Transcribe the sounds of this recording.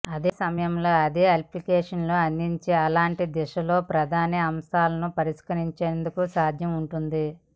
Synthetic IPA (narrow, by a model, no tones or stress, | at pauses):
ɐd̪eːsɐmɐjɐmloːɐd̪eːɐliplikeːʂɐnloːɐnd̪iɲt͡ʃeːɐlaːɳʈid̪ɛʂɐlo̞ːpɾɐd̪ʱaːniɐmsaːlɐnupɐɾiʂkɐɾiɲt͡ʃeːnd̪ukusaːd̪ʱjɐmuɳʈund̪i